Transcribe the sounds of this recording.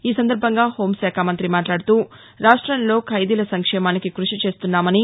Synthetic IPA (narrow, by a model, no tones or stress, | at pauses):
iːsɐnd̪ɐɾbʱɐŋɡaːho̞ːmʃaːkʰaːmɐnt̪ɾimaːʈlaːɽut̪uː | ɾaːʂʈɾɐnlo̞ːkʰɐjd̪ilɐsɐŋkʂɛːmaːnikikɾuʂit͡ʃe̞ːst̪unːaːmɐni